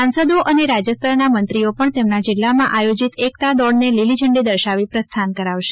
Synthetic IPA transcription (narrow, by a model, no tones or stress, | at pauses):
sãnsəd̪oʔəneɾad͡ʒjəst̪ʰəɾnamənt̪ɾiopəɳt̪emnad͡ʒɪlːamãʔajod͡ʒit̪ekt̪ad̪ɔɽnelilid͡ʒʱəɳɖid̪əɾʃaʋipɾəst̪ʰankəɾaʋʃe